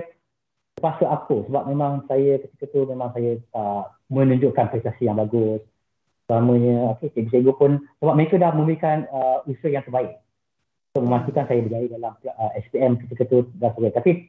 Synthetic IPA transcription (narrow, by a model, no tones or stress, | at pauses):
t̪əpasaʔakosəbap̚mẽmãŋsajəkət̪i̥kət̪umemãŋsajət̪aʔ | mə̃nũɲd͡ʒoʔkanpɾist̪asijaŋbaɡʊs | amə̃ɲə̃oket̪iʔbis̬eɡopʊnsəbap̚məekədahmə̃mbəɾikanəusuhjaŋt̪ərbaɪʔ̚ | unt̪ʊk̚məmast̪ikansajəbəɡaɾidalampəɛspiɛmkət̪ikət̪udasəɡat̪api